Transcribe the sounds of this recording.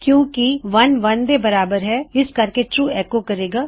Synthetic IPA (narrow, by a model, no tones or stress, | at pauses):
kjõːkiʋɐnʋɐnd̪ebɐɾaːbəɾɦɛɪskɐɾkeʈuːɛːkokɐɾeːɡaː